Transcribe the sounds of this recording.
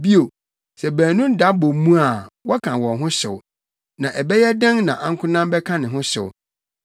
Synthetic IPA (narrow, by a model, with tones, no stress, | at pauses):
bi˦o˨ | sɛ˨bæ̃ː˨nũ˦n̩˦da˦bo˨mũ˦a˨wɔ˦kʰã˨wɔ̃˨ɦʊ̃˦ɕɪ̰˨w | nã˨ʔɛ˨bɛ˦jɛ˦dɛ̃˦ŋnã˨ʔã˦ŋ̩˦kʰʊ̃˦nã˦mbɛ˦kʰã˦nɪ̃˨ɦʊ̃˦ɕʊ̰˨w